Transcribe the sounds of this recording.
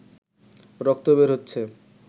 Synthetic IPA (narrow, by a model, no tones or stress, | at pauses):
ɾɔk̚t̪obeɾɦotːɕʰe